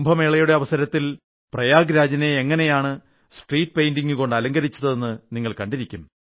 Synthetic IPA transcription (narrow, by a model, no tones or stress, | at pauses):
mbʱɐme̞ːɭɐjuɽe̞ɐʋɐsɐɾɐt̪ːil | prɐjaːɡɾaːd͡ʑɐne̞ːŋːɐne̞jaːɳɨ | sʈriːʈ̚ːpejndiŋːɨko̞ɳɖɨɐlɐŋɡɐɾit͡ɕːuðɐðe̞nːɨniŋːɐɭkɐɳɖiɾikʲːum